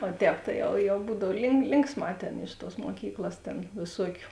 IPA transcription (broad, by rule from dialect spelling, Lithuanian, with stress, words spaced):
oː ˈtʲɛːp tɐɪ ˈjɛʊ jɛʊ ˈbuːdɐw lʲɪŋk ˈlʲɪŋksˌmɑː ˈtʲeːn ɪʃ tuɔs muɔˈkʲiːklˠɐs ˈtʲeːn ʋʲeːˈsuɔkʲʊ